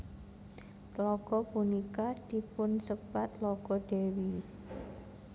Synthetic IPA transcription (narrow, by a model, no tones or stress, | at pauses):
lɔkɔpunikad̪̥i̤pʊnsəb̥at̪lɔkɔɖ̥ewi